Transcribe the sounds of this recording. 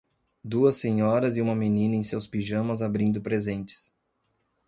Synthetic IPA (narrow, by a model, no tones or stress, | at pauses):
d̪uɐsẽɲɔɾɐzɪũmɐmenĩnɐẽj̃sewspiʒɐ̃mɐzabɾĩnd̪ʊpɾezẽnt͡ʃɪ̥s